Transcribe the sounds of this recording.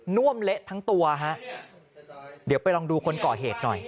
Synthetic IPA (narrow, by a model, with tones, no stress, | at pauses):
nu˥˩əmle˦˥ʔt̪ʰa˦˥ŋt̪u˧ɐɦa˦˥ʔ | di˨˩˦wpa˧jlɔː˧ŋduː˧kʰo˧nkɔː˨˩ɦeː˨˩t̪̚nɔ˨˩j